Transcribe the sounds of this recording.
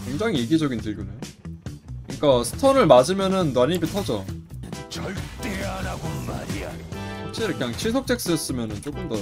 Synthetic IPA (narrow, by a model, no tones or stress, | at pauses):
keŋd͡ʑaŋiiɡid͡ʑʌɡintɯɭɡunejo | kɯɲik͈asʰɯ̥tʰʌnɯɭmad͡ʑimjʌnɯntwaɲipitʰʌd͡ʑo | t͡ɕʌɭt͈eanaɡoma̰ɾija̰okt͡ɕ͈eɾkʰeaŋt͡ɕʰisʰok̚t͡ɕ͈ek̚s͈ɯʌs͈ɯmjʌnɯnt͡ɕ͈ok͈ɯmdʌ